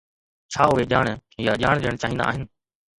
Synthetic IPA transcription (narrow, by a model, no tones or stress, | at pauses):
t͡ʃʰaːʊɦeːʄaːɳjaːʄaːɳ̃ɗeəɳ̃t͡ʃaːɦĩnd̪a̰ːɦɪnɪ